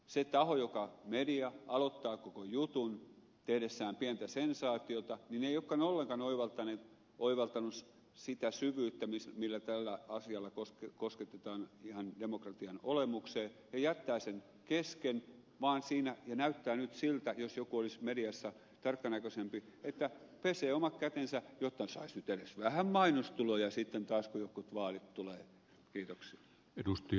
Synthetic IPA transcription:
set̪ɑhojokɑmediɑɑlot̪ːɑːkokojut̪un | t̪ehdesːæːmpiænt̪æsensɑːt̪iot̪ɑnineijokːɑnolːeŋkɑnoiʋɑlt̪ːɑneːt̪ | oiʋɑlt̪ɑnus | sit̪æsyʋyːt̪ːæmismilːæt̪ælːæɑsiɑlːɑkoskosket̪et̪ɑːnihɑndemokrɑt̪iɑnolemukseːjɑjæt̪ːæːsen | kesken | ʋɑːnsiːnæjɑnæyt̪ːæːnyt̪silt̪æjosjokuolismediɑsːɑ | t̪ɑrkːɑnækøsempiet̪ːæ | peseːomɑkkæt̪ensæjot̪ːɑsɑisnyt̪eresʋæhæmmɑinost̪ulojɑsit̪ːent̪ɑːskojokːut̪ʋɑːlit̪t̪uleː | kiːt̪oksiɑ | edust̪i

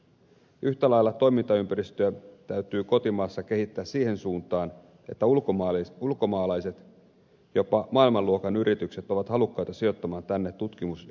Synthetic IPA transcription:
yht̪ælɑjlːɑt̪o̞jmint̪ɑympæɾist̪øæt̪æɥt̪yːko̞t̪imɑːsːɑke̞ɦit̪ːæːssiːhe̞nsuːnt̪ɑːn | e̞̰t̪ːæulkoulko̞mɑːlɑjse̞t̪ | jo̞pɑmɑːilmɑlːuokɑnyɾʔit̪ykset̪o̞ʋɑt̪hɑlukːɑjt̪ɑsio̞t̪ːɑmɑːnt̪ænːe̞t̪ːut̪k̟imus

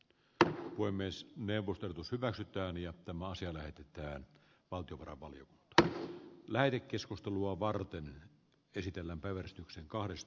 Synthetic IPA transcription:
puemːesneuʋːˑost̪oerot̪ushyʋæksyt̪æːnjɑt̪æmæɑsiɑlæhet̪et̪æːn | ʋɑlt̪ijoʋɑrɑ̰ʋʋɑlijokunt̪ɑ̥læhet̪ekːeskust̪eluɑʋɑrt̪en | esit̪elːæmpæiʋærsi̥t̪ykseŋkɑhɾest̪

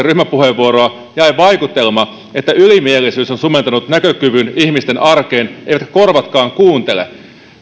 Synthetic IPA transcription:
ryhmæpuheʋːuoɾoɑ | jɑjʋɑjkut̪ːelmɑ | et̪ːæylimielisyːsonsument̪ɑnut̪nækøkyʋyniçmist̪enʔɑrkeːneijʋæt̪kæ̥ko̞rʋɑt̪kɑːŋkuːnt̪elḛ

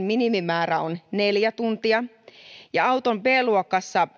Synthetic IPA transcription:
minimimæːræonne̞ljæt̪unt̪iɑ | jɑɑut̪ompeːluokːɑsːɑ

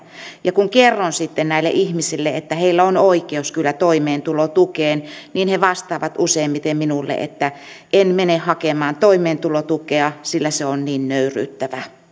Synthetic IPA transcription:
jɑkuŋkerːonsit̪ːennæilːḛʔihmisilːeet̪ːæheilːæonoikeouskylːæt̪oimeːnt̪ulot̪ukeːnniːnheʋɑst̪ɑːʋɑt̪useimmit̪emminulːḛʔḛt̪ːæ | ʔenmenehɑkemɑːnt̪oimeːnt̪ulot̪ukeɑsilːæseonniːnnøyry̰ːt̪ːæʋæ

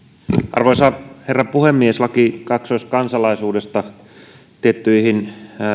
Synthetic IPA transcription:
ʔɑ̰rʋojsɑherːɑpuhemːieslɑkikɑksoist̪kɑnsɑlɑisuːdest̪ɑ | t̪iet̪ːyihin

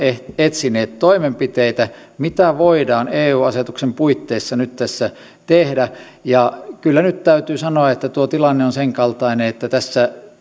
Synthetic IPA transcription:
eet̪sineːt̪t̪oimempit̪eit̪æmit̪æʋoidɑːneːuːɑset̪uksempuit̪ːeisːɑnyt̪t̪æsːæ | t̪ehdæ | jɑkylːænyt̪t̪æyt̪yːsɑnoɑet̪ːæt̪uot̪ilɑnːeonseŋkɑlt̪ɑineet̪ːæt̪æsːæ

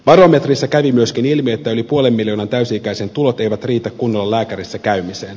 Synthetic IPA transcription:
ʋɑɾo̞me̞t̪risːækæʋimyø̞sk̟inilmiet̪ːæo̞lipuole̞mːiljoːnɑnt̪æysiːkæjsent̪ulot̪e̞jʋæt̪riːt̪ækːunːolːɑlæːkæɾisːækæymiseːn

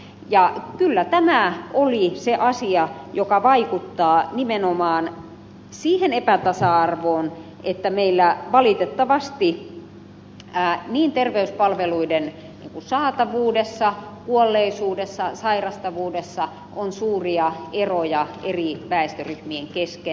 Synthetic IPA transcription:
jɑkylːæt̪æmæoliseʔɑsiɑjokɑʋɑikut̪ːɑːnimenomɑːn | siːhenepæt̪ɑsɑɑrʋoːn | ʔet̪ːæmeilːæʋɑlit̪et̪ːɑʋɑst̪i | niːnt̪erʋeyspɑlʋeluiden | nḭːŋkusɑːt̪ɑʋuːdesːɑkuolːeisuːdesːɑsɑirɑst̪ɑʋuːdesːɑ | ʔonsuːriɑerojɑeriʋæest̪øryhmieŋkeske

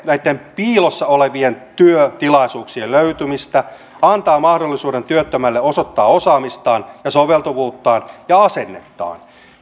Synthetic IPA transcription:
næit̪ːempiːlosːɑoleʋient̪yøt̪ilɑisuːksielløyt̪ymist̪æ | ɑnt̪ɑːmɑhdolːisuːdent̪yøt̪ːømælːeosot̪ːɑːosɑːmist̪ɑːnjɑsoʋelt̪uʋuːt̪ːɑːnjɑɑsenːḛt̪ːɑ̰ːn

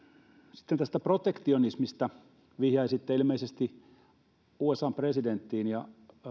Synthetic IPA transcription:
sit̪ːent̪æst̪æprot̪ekt̪ionismist̪ɑ | ʋihjɑisit̪ːeilmeisest̪i | uːesɑːmpresident̪ːiːnjɑ

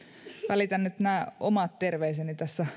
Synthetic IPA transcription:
ʋælit̪ænːyt̪næːo̰mɑt̪t̪erʋeisenit̪æsːæ

